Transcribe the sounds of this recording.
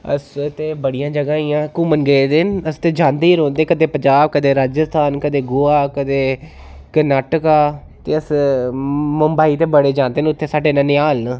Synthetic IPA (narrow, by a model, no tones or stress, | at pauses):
ə̰st̪eːbəɽijãːd͡ʒəɡaːiːãːkʊmənɡəed̪enəst̪eːd͡ʒãːnd̪eːiːɾõːnd̪eːkəd̪eːpəɲd͡ʒaːb̚kəd̪eːɾaːd͡ʒəst̪ʰaːnkəd̪eːɡoːaːkəd̪eː | kəɾnaːʈəkaː | t̪eːəs | məmbaːiːt̪eːbəɽeːd͡ʒãːnd̪eːnʊt̪ʰːeːsaːɖeːnãːnɪaːln